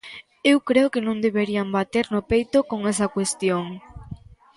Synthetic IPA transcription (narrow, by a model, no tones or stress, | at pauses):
ewkɾeokenõŋd̪eβeɾiambat̪eɾnopejt̪okoŋɛsɐkwest̪joŋ